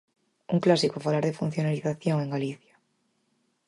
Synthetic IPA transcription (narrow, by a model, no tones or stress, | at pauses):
uŋklasikofalaɾðefun̟θjonaliθaθjõŋẽŋɡaliθjḁ